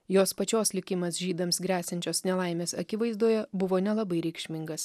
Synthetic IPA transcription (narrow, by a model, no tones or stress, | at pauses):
joːspɐt͡ʃʲoːslʲɪkʲɪmɐsʒʲiːd̪ɐmsɡɾʲæːsʲɐnʲt͡ʃʲoːsnʲɛlˠɐˑɪmʲeːsɐkʲɪʋɐɪzd̪uːjɛbʊʋoːnʲɛlˠɐbɐɪɾʲɛɪkʃʲmʲɪŋɡɐs